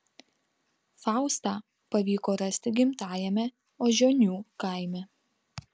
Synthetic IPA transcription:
fɑˑʊst̪ɑː | pɐʋʲiːkoːɾɐsʲt̪ʲɪɡʲɪmt̪ɑːjɛmʲɛ | oːʒʲoːnʲuːkaˑɪmʲɛ

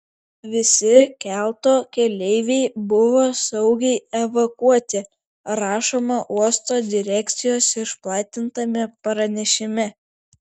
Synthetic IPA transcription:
ʋʲɪsʲɪkʲælˠt̪oːkʲɛlʲɛɪʋʲɛɪbʊʋoːsɐʊɡʲɛɪɛʋɐkuɔt̪ʲɪ | ɾɑːʃoːmɐʔuɔst̪oːd̪ʲɪɾʲæːkʲt̪sʲɪjoːsɪʃplˠɑːt̪ʲɪnt̪ɐmʲɛpɐɾɐnʲɛʃʲɪmʲɛ

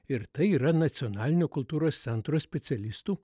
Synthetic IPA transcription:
ɪɾt̪ɐɪiːɾɐnɐt̪sʲɪonɑːlʲɪnʲoːkʊlˠt̪uːɾoːst̪sʲɛnt̪ɾoːsʲpʲɛt̪sʲɛlʲɪst̪uː

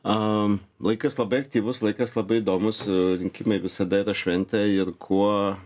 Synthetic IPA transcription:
ɐ | lˠɐɪkɐslˠɐbɐɪɐk̚t̪ʲiːʋʊslˠɐɪkɐslˠɐbɐɪid̪oːmʊsɾʲɪŋʲkʲɪmɐɪʋʲɪsɐd̪ɐiːɾɐʃʲʋʲɛnʲt̪ʲɛɪɾkʰuɔ

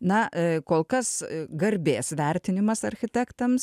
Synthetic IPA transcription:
nɐkoːlˠkɐsɡɐɾʲbʲeːsʋʲɛɾʲt̪ʲɪnʲɪmɐsɐɾʲxʲɪt̪ʲækt̪ɐms

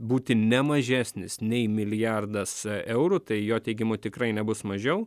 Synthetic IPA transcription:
buːt̪ʲɪnʲɛmɐʒʲæːsʲnʲɪsnʲɛɪmʲɪlʲɪjærd̪ɐsɛʊɾut̪ɐɪjoːt̪ʲɛɪɡʲɪmot̪ʲɪkɾɐɪnʲɛbʊsmɐʒʲɛʊ

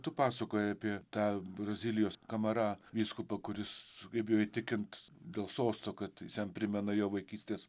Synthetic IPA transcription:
t̪ʊpɑːsɐkoːjɛɐpʲiɛt̪ɑːbrɐzʲiːlʲɪjoːskɐmɐɾɑʋʲiːskʊpɐkʊɾʲɪskɐɪpjoːit̪ʲɪkʲɪnt̪ | d̪ʲeːlˠsoːst̪oːkɐt̪sʲjɛnpʲɾʲɪmʲɛnɐjoːʋɐɪkʲiːsʲt̪ʲeːs

